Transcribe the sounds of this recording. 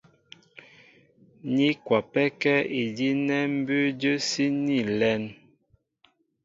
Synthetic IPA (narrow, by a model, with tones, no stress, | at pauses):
ɲi˦kwa˨pɛ˦kɛ˦i˨di˦nɛ˦m̩˦bʉ˦d͡ʒə˦si˦ni˦˨lɛ˦n